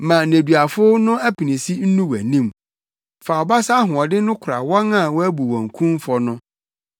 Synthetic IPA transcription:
mã˨ne˨dɥa˨fʊ˦nʊ̃˦æ˦pʰi˨nĩ˨si˦n̩˦nũ˦wæ̰˨nĩ˦˨m | fa˨ɔ˨ba˦sa˦ɦʊ̃˨ɔ˨dɪ˦nʊ̃˦kʰʊ˨ɾa̰˨wɔ̃˦nã˦˨wɔ˦æ˦bu˨wɔ̃˨ŋ˨kʰũ˦m˦fɔ˦nʊ̃˦

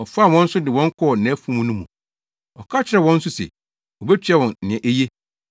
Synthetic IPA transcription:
ɔ˨faː˦˨wɔ̃˦n̩˦sʊ˦dɪ˨wɔ̃˦ŋ˦kʰɔ˦˨nɛ̃˨˦fũ˦mũ˦nũ˦mṵ̃˨ | ɔ˨kʰa˦t͡ɕʰɪ˨ɾɛ˨wɔ̃˦n̩˦sʊ˦sɛ̰˨ | wɔ˨bɛ˦t͡ɕʰᶣɛ˦wɔ̃˨nnɪ̃˨ɛ̃˨ʔe˦je˦

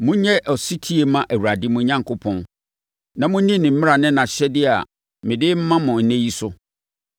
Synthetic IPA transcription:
mʊ̃˦ɲɛ˦ʔɔ˨si˦tʰi˦e˨mã˦ʔæ˨wu˨a˨dɪ˦mʊ̃˦ɲã˦ŋkʰʊ˦pʰɔ̃˦n | nã˨mʊ̃˦nĩ˦nɪ̃˨m̩˦mɪ̃˦a˨nɪ̃˦nã˨ɕᶣɛ˦dɪ˦a̰˨ | mɪ̃˨dɪ˦m̩˦mã˦mʊ̃˨n̩˦næ̃˦ji˦sʊ˦

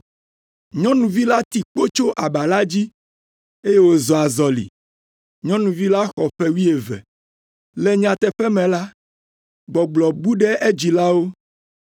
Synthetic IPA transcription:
ɲɔ̃˦nũ˨vi˦la˦t̪i˨k͡po˦t͡ʃo˦ʔa˨ba˨la˦d͡ʑi˦ | e˦je˦wo˨zɔ˨a˨zɔ˨lḭ˨ | ɲɔ̃˦nũ˨vi˦la˦xɔ˨ɸɛ˦wi˦e˨vɛ̰˨ | lɛ˦ɲ˦ã˨t̪ɛ˨ɸɛ˦mɛ̃˨la˦ | ɡ͡bɔ˨ɡ͡blɔ˨ɡ͡bu˦ɖɛ˦ʔe˦d͡ʑi˨la˦wo˦

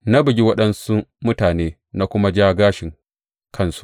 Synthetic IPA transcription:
na˦bɪ˨ɡʲi˦wɐ˦ɗɐ˦nsu˦mʊ˦taː˨neː˦ | na˦kʷʊ˦ma˦d͡ʒaː˦ɡaː˦ʃɪ˨ŋ | kʰɐ˦nsu̥˦ʔ

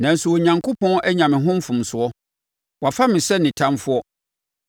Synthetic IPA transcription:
nã˨n̩˨sʊ˨wɔ˨ɲã˨ŋkʰo˦pʰɔ̃˦nʔɛ˦ɲã˨mɪ̃˨ɦʊ̃˦m̩˦fʊ̃˨msʊ˨˦ɔ˦ | wa˨fa˦mɪ̃˨sɛ˦nɪ̃˨tʰã˦mfʊ˦ɔ˦

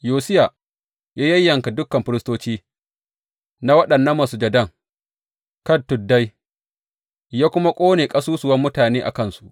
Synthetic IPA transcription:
joː˨sɪ˦ja˨ | jaː˦jɐ˦jːɐ˨ŋka˨dʊ˦kːɐ˨mɸɪ˦ɾɪ˦stoː˦t͡ʃiː˦ | na˦wɐ˦ɗɐ˨nːɐ˦mːa˨su˦d͡ʒɐ˨dɐ˦˨ŋ | kɐ˦ntːʊ˨dːa˦j | jaː˦kʷʊ˦ma˦kʷʼoː˦neː˨kʼɐ˦suː˦sʊ˨wɐ˦mːʊ˦taː˨neː˦ʔa̰˨kɐ˦nsu˨ʔ

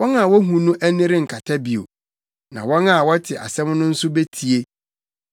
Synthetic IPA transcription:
wɔ̃˦na˨wɔ˦ɦũ˨nʊ̃˦ʔæ˦nɪ̃˦ɾɪ˦ŋ̩˨kʰa˨tʰa˦bi˨o̰˨ | nã̰˨wɔ̃˦na˨wɔ˦tʰɪ˨ʔa̰˨sɛ̃˦mnʊ̃˦n̩˦sʊ˦be˦tʰi˨e˦

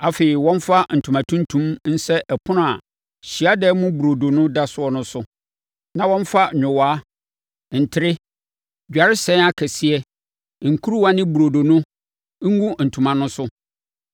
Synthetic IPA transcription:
a˨fe˨i˨wɔ̃˦n˦fa˦n̩˨tʰu˨mã˨tʰũ˦ntʰũ˦mn̩˦sɛ˦ʔɛ˨pʰʊ˦nʊ̃˦a˨ | ɕi˨a˦dɛ˦mʊ̃˦bu˨ɾo˨do˨nʊ̃˦da˦sʊ˦ɔ˦nʊ̃˦sʊ˦ | nã˨wɔ̃˦ɱ˦fa˦ɲᶣʊ̃˨waː˦˨ | n̩˨tʰɪ˦ɾɪ˦ | d͡ʑᶣa˨ɾɪ˦sɛ̃˦a˦kʰɛ˨si˦ɛ˦˨ | ŋ̩˨kʰu˦ɾu˦wã˦nɪ̃˦bu˨ɾo˨do˨nʊ̃˦ | ɡũ˦n̩˨tʰũ˨mã˨nʊ̃˦sʊ˦

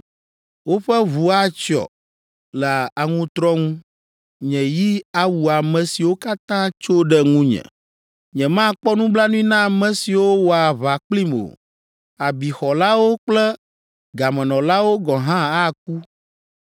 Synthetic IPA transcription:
wo˦ɸɛ˦βu˨a˦t͡ʃɔ̰˨ | lɛ˨a˨ŋũ˦t̪ɾɔ˦ŋũ˦ | ɲɛ̃˨ji˦a˦wu˨a˨mɛ̃˨si˨wo˦ka˦t̪ã˦t͡ʃo˦ɖɛ˦ŋũ˦ɲɛ̰̃˨ | ɲɛ̃˨mã˦k͡pɔ˦nũ˦bla˦nũ˦ĩ˦nã˦a˨mɛ̃˨si˨wo˦wɔ˨a˨βa˨k͡pli˦mo̰˨ | a˨bi˨xɔ˨la˦wo˦k͡plɛ˦ | ɡa˨mɛ̃˨nɔ̃˨la˦wo˦ɡɔ˨ɦã˦a˦k̚u˦

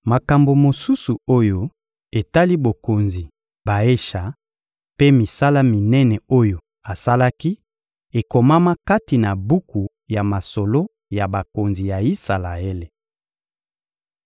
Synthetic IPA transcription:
ma˨ka˨mbo˨mo˨su˦su˨o˦jo˦ | e˨ta˦li˦bo˨ko˨nzi˨ | ba˨e˦ʃa˨ | pe˦mi˨sa˦la˦mi˨nɛ˦nɛ˨o˦jo˨ | a˨sa˦la˦ki˦ | e˨ko˨ma˦ma˦ka˦ti˨na˨bu˦ku˨ | ja˨ma˨so˨lo˦ | ja˨ba˨ko˨nzi˨ja˨i˦sa˨la˨e˦le˨

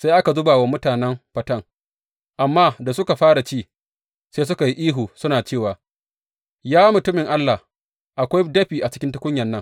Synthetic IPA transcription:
sa˦jʔa˦ka˨zʊ˦baː˨wa˦mʊ˦taː˨nɛ˦mɸɐ˦tɐ˦ŋ | ʔa˨mːaː˦da˨sʊ˦ka˨ɸaː˦ɽa˨t͡ʃiː˦ | se˦s̬ʊ˦ka˨ji˦ʔiː˦ɦuː˨sʊ˦naː˨t͡ʃeː˦˨waː˨ | jaː˦mʊ˨tʊ˦mɪ˨ŋʔa˦lːa˨h | ʔa˨kʷa˦jdɐ˦ɸiː˨ʔa˨t͡ʃɪ˦kʲɪ˦ntʊ˦kʷʊ˦ɲjɐ˨nːɐ˦ŋ

